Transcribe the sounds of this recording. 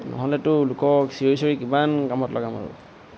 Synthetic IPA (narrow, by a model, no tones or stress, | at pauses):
nɔ̰ɦɔlɛtʊlukɔksijojsɔɹikimankamɔtlɔɡama̰ɹṵ